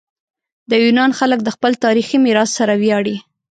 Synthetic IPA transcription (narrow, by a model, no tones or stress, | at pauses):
d̪əjunɑnxalək̚d̪əxpəlt̪ɑɾiximiɾɑsːaɾawjɑɽi